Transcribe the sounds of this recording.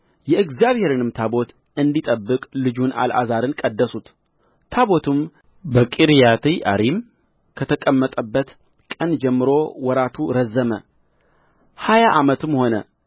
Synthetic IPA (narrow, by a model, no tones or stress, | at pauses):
jɛɨɡzjaβhe̞ɾɨnɨmt̪ʰabo̞t̪ | ɨnd̪it̪ʼəbːɨkʼlɨd͡ʒunʔa̰lʔa̰zaɾɨnkʼəd̪ːəsut̪ | t̪ʰaβo̞t̪ʰɨm | bəkʼiɾjat̪ʰiʔa̰ɾim | kʰət̪ʰəkʼəmːət̪ʼəbːət̪ | kʼənd͡ʒɛmːɨɾo̞wɔɾat̪ʰuɾəzːəmə | hajaʔamət̪ɨmho̞nə̰